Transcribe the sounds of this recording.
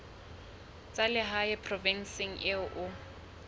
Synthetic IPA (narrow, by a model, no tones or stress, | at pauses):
t͡sʼalɪɦaɪpʰrɔvɛnsɪŋ̩ʔɪʔʊ